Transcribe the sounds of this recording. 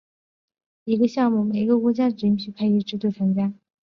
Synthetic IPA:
i˧˥ɡə˧ɕjɑ˥˧ŋmu˥˩me˨˩ɪi˥ɡə˧kwɔ˧˥t͡ɕja˥ʈ͡ʂɻ̩˧˥i˥ŋɕʰy˥˧kʰa˥ɪy˧˥ʈ͡ʂɻ̩˥t̪we˥˩ɪt͡sʰɤ˧˥ŋt͡ɕja˥

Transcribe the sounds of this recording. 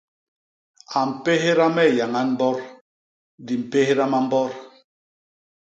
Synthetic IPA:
a˨m̩˨pe˦ɦe˦ɾa˦mɛ˦˨ja˨ŋa˦nm̩˦bɔ˦ɾ | di˨m̩˨pe˦he˦ɾa˦ma˦m̩˦bɔ˦ɾ

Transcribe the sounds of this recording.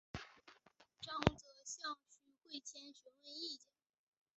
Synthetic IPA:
ʈ͡ʂɑ˥˧ŋt͡sɤ˨˩˦ɕjɑ˥˩ŋt͡ɕʰy˧˥kwe˥˩ɪt͡ɕʰjɛ˥nɕɛ˧˥nwe˥˧ɪi˥˩t͡ɕjɛ˨˩˦n

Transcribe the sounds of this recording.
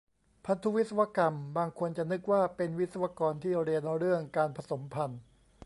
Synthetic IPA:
pʰa˦˥nt̪ʰu˦˥wi˦t̪̚sa˧wa˧˥ka˧mbaː˧ŋkʰo˧nt͡ɕa˨˩nɯ˦˥k̚waː˥˩pe˧nwi˦˥t̪̚sa˧wa˧˥kɔː˧nt̪ʰiː˥˩ɾi˧ənɾɯ˥˩əŋkaː˧npʰa˧so˩˦mpʰa˧n

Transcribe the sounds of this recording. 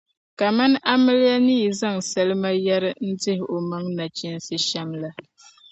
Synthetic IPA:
ka˨ma˦n˦ʔa˦mɪ˦lɪ˦ja˦niː˦˨za˦ŋsa˦lɨ˦ma˦ja˦ɾɪ˦n̩˦dɪ˦hɪ˨o˨ma˦ŋna˨t͡ʃɪ˦n˦sɨ˦ʃa˦ŋla˦

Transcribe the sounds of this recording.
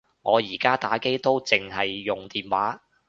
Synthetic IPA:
ŋɔː˨˧jiː˨˩kaː˥t̪aː˨˥ke˥jt̪o˥wt͡sɪ˨ŋɦɐ˨jːʊ˨ŋt̪iː˨nwaː˨˥

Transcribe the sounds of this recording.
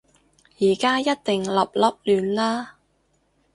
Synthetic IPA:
jiː˨˩kaː˥jɐ˥t̚t̪ɪ˨ŋlɐ˨p̚lɐ˨˥p̚lyː˨nlaː˥

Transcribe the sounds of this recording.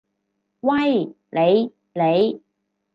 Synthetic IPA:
wɐ˥j | le˨˧j | le˨˧j

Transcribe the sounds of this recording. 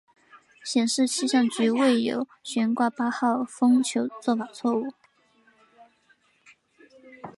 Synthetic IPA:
ɕjɛ˨˩nʂɻ̩˥˧t͡ɕʰi˥˧ɕjɑ˥˩ŋt͡ɕy˧˥we˥˩ɪjo˧˥ʊɕɥɛ˧˥nkwa˥˩pa˥xɑ˥˩ʊfɤ˥ŋt͡ɕʰjo˧˥ʊt͡swɔ˥˩fa˨˩t͡sʰwɔ˥˧u˥˩

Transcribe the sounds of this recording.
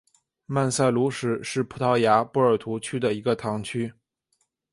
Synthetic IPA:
ma˥˧nsa˥˩ɪlu˧˥ʂɻ̩˨˩˦ʂɻ̩˥˩pʰu˧˥t̪ʰɑ˥˩ʊja˧˥pu˥˩ə˞˨˩t̪ʰu˧˥t͡ɕʰy˥d̪ə˨i˧˥ɡə˧t̪ʰɑ˧˥ŋt͡ɕʰy˥

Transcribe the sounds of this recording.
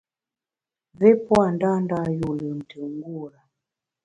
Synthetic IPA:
vɛ˦pwa˨nda˦nda˦ju˨lu˨n̩˨ti˨ŋɡu˦˨ɾa˨

